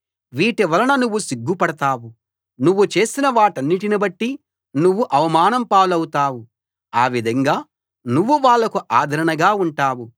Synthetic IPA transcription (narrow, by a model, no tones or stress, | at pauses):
ʋiːʈɛʋɐlɐnɐnuʋːusiɡːupɐɽɐt̪aːʋu | nuʋːut͡ʃe̞ːsinɐʋaːʈɐnːiʈinibɐʈːi | nuʋːuʔɐʋɐmaːnɐmpaːlɐwut̪aːwu | aːʋid̪ʱɐŋɡaː | nuʋːuʋaːɭːɐkuʔaːd̪ʱɐɾɐɳɐɡaːuɳʈaːwu